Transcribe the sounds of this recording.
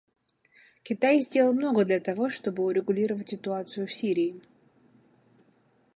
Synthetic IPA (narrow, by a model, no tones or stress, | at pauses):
kʲɪt̪ajzʲdʲelˠəlˠmno̞ɡəd̪lʲɐt̪ɐvo̞ʂt̪o̞bɨʊɾʲɪɡʊlʲiɾəvətʲsʲɪt̪ʊat̪sɨjʊfsʲiɾʲɪː